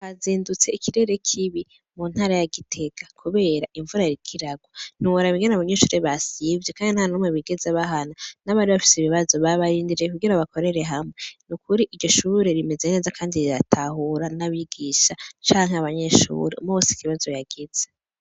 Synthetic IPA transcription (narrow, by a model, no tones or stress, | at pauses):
haziːndut͡se̞ikʰiɾe̞ɾe̞kʰiβi | muːnhaːɾajaɡitʰe̞kʰḁkʰuβe̞ːɾaʔiɱvuɾajɾikʰiɾaɡwon̥uwoɾaβiŋɡenaβaɲe̞ʃuːɾeβasivjekaːndinhanumweβiɡe̞zeβaɦananaβaːɾiβafi̥seiβiβazo̞βaβaɾiːndiɾekuɡiɾaβako̞ɾe̞ɾe̞ɦamŋenukuɾiʔiɾɟo̞ʃuːɾe̞ɾime̞ze̞ne̞zakʰaːndiɾiɾatʰahuɾanaβiɡiʃat͡ʃaːŋɦeaβaɲe̞ʃṵːɾe̞̰ṵmuosi̥kiβazo̞jaɡ̥ez̥e